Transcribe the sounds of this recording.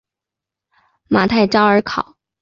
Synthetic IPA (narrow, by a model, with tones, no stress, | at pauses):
ma˨˩t̪ʰa˥˩ɪʈ͡ʂɑ˥ə˞˧˥kʰɑ˨˩˦ʊ